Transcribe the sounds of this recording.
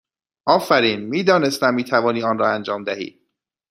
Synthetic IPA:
ʔɒːfæɾiːnmiːd̪ɒːnest̪æmːiːt̪ʰævɒːniːɒːnrɒːænd͡ʒɒːmd̪æhḭːd̪̥

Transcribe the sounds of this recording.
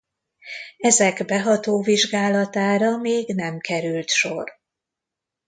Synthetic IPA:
ɛzɛɡbɛɦɒt̪oːviʒɡaːlɒt̪aːɾɒmeːɡnɛmkʰɛɾylt̪ʃo̞̰r

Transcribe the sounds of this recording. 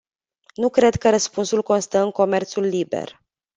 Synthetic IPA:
nukɾe̞d̪kəɾəspunsulko̞nst̪əɨŋko̞me̞rt̪sulːibḛr

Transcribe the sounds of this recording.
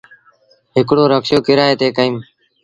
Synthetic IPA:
ɦɪkɽoːɾəkʃjoːkɪɾaːeːt̪eːkəĩːm

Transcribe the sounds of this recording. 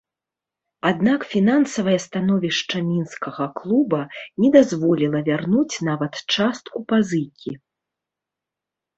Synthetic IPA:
ad̪nakfʲinansɐvɐjɐst̪anɔvʲiʂt͡ʂɐmʲinskɐɣɐklˠubɐnʲɛd̪azvɔlʲilˠɐvʲarnut͡sʲnavɐt̪t͡ʂast̪kupazɨjkʲi

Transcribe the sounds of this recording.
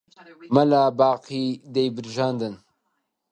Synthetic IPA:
mɐlabaːqʰid̪ejbɨɾʒaːnd̪ɨn

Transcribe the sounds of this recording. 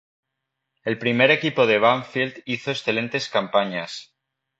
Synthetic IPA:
e̞lpɾime̞ɾe̞kipo̞ð̞e̞β̞aɱfild̪iθoesθe̞lẽ̞nt̪e̞skampaɲas

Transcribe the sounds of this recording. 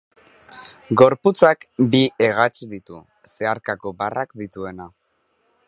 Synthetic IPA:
ɡo̞ɾput͡sakbie̞ɣat͡ʃðit̪ṵ | se̞aɾkako̞barakd̪it̪ue̞na

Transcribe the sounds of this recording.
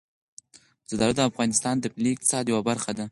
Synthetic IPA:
zəd̪ɑɾad̪əafɣɑnɪst̪ɑnd̪əpliɪk̚t̪ɪ̥sɑd̪jawabaɾxad̪a

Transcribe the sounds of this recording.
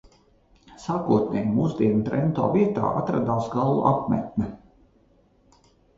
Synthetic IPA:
saːkuɔt̪̚nʲɛjmuːzd̪ʲiɛnut̪ɾɛnt̪o̰ːviɛt̪a̰ːa̰t̪ɾa̰d̪aːsɡalˠːṵʔapmʲɛ̰t̪̚nɛ

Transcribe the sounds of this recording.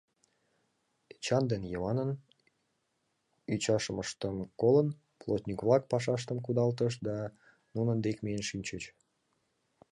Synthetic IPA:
t͡ɕɑnd̪enjəβɑnən | yt͡ɕɑʃəməʃt̪əmkolən | plˠot̪ʲnʲikβlɑk̚pɑʃ̬ɑʃ̬t̪əmkud̪ɑlt̪əʃd̪ɑ | nunənd̪ekmienʃinʲt͡ɕət͡ɕ

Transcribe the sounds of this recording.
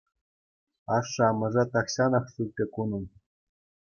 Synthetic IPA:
ɑʂːɤ̆ɑmɤ̆ʐɑt̪ɑkɕɑnɑχʂulʲt̪ʲːɘ̆kunɤ̆n

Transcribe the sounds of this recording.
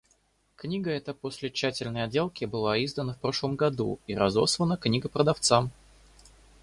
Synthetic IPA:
knʲiɡəɛt̪əpo̞sʲlʲɪt͡ɕːætʲɪlʲnəjɐdʲe̞lˠkʲɪbɨlˠaizd̪ənəfpɾo̞ʂlˠəmɡɐd̪ṵiɾɐzo̞̰slˠənəknʲiɡəpɾəd̪ɐft̪sam

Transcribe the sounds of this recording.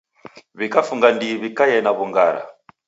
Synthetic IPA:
βikafuŋɡandiβikajɛnaβuŋɡaɾa̰

